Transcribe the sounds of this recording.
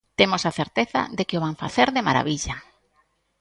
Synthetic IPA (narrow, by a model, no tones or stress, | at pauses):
t̪emosaθeɾt̪eθa̰ðekɪoβaɱfa̰θeɾðɪma̰ɾa̰βiʎa